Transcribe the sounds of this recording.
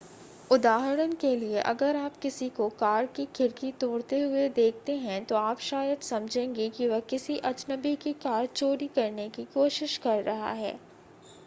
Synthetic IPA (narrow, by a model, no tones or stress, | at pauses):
ʊd̪aːɦɾənkelieʔɐɡəɾaːpkɪsikokaːɾkikʰɪɾkit̪oːɽt̪eɦʊed̪eːk̚ʰt̪eɦɛ̃t̪oaːpʃaːjəd̪sɐmd͡ʒʱẽːŋɡikiʋɐkɪsiʔɐd͡ʒnəbikikaːɾt͡ʃoːɾikɐɾnekikoːʃɪʃkɐɾːɐɦa̰ɦɛ̰ː